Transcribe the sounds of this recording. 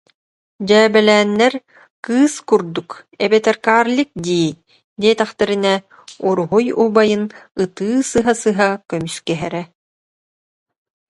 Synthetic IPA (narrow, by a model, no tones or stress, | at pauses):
d͡ʑɛːbɛlɛːnːɛɾ | kɯːskuɾd̪ukɛbɛt̪ɛɾkaːɾlʲik̚d̪iː | d̪iɛt̪ɛχt̪ɛɾinɛ | uɾuɦujubajɯnɯt̪ɯːsɯɦasɯɦakœmyskɛɦɛɾɛ